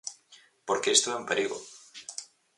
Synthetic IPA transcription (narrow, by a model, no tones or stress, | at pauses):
poɾkeest̪oempeɾiɣo̰